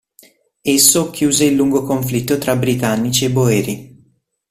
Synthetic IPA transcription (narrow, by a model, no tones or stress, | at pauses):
esːokːjuːzeilːuŋɡokoɱflit̪ːot̪ɾabɾit̪anːit͡ʃiebːoɛːɾi